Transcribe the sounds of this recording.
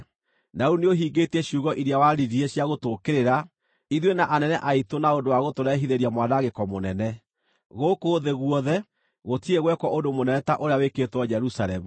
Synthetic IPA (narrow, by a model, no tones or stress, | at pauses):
nauneoɦiːɡetɛɕuːɣɔʔiɾeawaɾiɾieɕjaɣotokeɾeɾa | iðwenaʔanɛnɛʔaitonaondowaɣotoɾɛɦiðeɾjamwanaɣekɔmonɛnɛ | ɣokoːðeɣwɔðɛ | ɣotieɣwɛkwɔʔondomonɛɛtaʔoɾeaweketwɔd͡ʒɛɾusalɛmu